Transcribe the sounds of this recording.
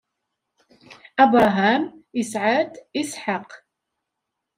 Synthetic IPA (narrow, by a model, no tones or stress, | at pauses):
ʔabɾˤɑɦaːmɪsʕad̪ɪsħaq